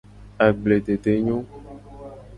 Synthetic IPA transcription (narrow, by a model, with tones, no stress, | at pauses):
a˨ɡ͡ble˨t̪e˨t̪e˨ɲõ˦